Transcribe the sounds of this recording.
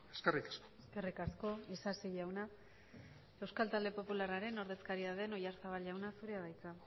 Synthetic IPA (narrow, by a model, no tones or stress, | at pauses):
eskerikḁsko̥eske̞rikasko̞isasiʎawna | e̞wskalt̪ald̪e̞po̞pularaɾe̞no̞ɾðe̞skaɾiaðe̞no̞jaɾsaβ̞alʝawnasuɾeaβajt͡sa